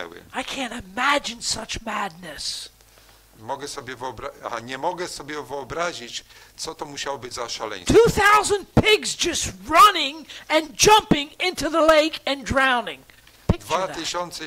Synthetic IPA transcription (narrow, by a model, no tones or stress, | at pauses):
ɛ̰wɪ̰aɪkʰæ̃ntɨmæd͡ʒɨ̃nsʌt͡ʃmæd̚ⁿnɨs | mɔɡɛsɔbʲjɛvɨɔbɾaa̰ɲɛmɔɡɛsɔbʲjɛvɨɔbɾaʑit͡ɕ | t̪sɔt̪ɔmuɕawɔbɘd͡ʑzaʃalɛ̰̃j̃tʰuθaʊzə̃nd̚pʰɪɡzd͡ʒʌst̚ɹʌnɪ̃ŋɨ̃nd͡ʒʌ̃mpɪ̃ŋɪ̃ntuðəleɪkɨ̃ndɹãʊ̃nɪ̃ŋ | pɪkd̚vaðt̪ɨɕɔnt̪sɛ